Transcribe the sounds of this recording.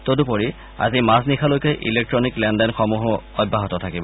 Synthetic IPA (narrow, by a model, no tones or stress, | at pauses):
todupoɹi | a̰zimasnikʰalojkɛʔḭlek̚tɹɔniklɛndɛnxɔmuɦʊɔbːaɦɔtɔtʰakibɔ